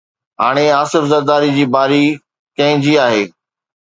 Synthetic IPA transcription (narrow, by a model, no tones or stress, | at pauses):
ɦaːɽ̃eaːsɪfzɐɾd̪aːɾid͡ʑiːbaːɾi | kɐ̃ɦɪ̃d͡ʑiːaːɦeː